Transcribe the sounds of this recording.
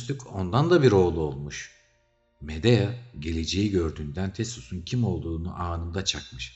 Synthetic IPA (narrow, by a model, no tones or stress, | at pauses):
st̪yko̞nd̪and̪abiɾo̞ːlˠuo̞lˠmuʃ | med̪ejaɟe̞lʲe̞d͡ʒe̞jiɟøɾd̪yːnd̪ænt̪ʰest̪usuncʰimo̞lˠd̪uːnṵʔaːnɯmd̪at͡ʃʰakmɯʃ